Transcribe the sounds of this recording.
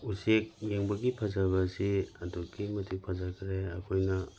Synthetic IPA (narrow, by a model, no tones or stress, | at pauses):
usek̚jeŋbɐɡipʰɐzabɐsiɐdokimɐtʰik̚pʰazakʰɾeɐkʰojnɐ